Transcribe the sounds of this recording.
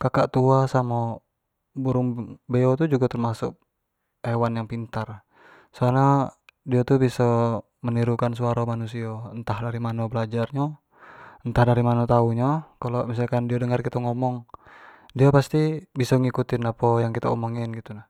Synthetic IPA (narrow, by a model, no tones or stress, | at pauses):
kakaʔt̪uasama | buɾuŋbɛɔt̪ud͡ʒuɡat̪ərmasʊk̚ | ewanjaŋpint̪ar | sɔanadiat̪ubisɔ | məniɾukans̬uaɾamanusiaənt̪ahdaɾimanɔbəlad͡ʒarɲa | ənt̪ahdaɾimanot̪auɲakalɔmisalkandiadəŋarkit̪aŋɔmɔŋ | diapast̪ibisɔŋikut̪inapɔjaŋkit̪aɔmɔŋinɡit̪unah